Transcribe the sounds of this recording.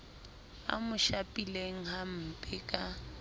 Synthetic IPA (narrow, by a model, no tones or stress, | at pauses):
a̰mʊʃapʼileŋ̩ɦam̩pʼɪkʼa